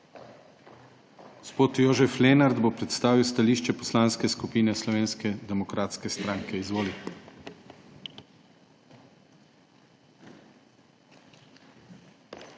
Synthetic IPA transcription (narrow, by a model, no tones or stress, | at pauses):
ɡ̥ospoːt̪joːʒɛflenaɾd̪bopɾɛt̪st̪aːʋiwst̪aliːʃt͡ʃɛpɔslaːnskɛskupiːnɛslɔʋeːnskɛd̪ɛmɔkɾaːt̪skɛst̪ɾaːŋkʰɛizʋoːli